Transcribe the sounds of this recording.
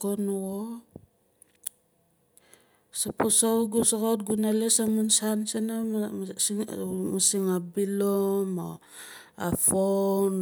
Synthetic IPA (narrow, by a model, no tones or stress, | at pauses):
onuo | saposowɡusakot̚ɡunalesamunsansena | masiŋabilomo̰ | a̰fon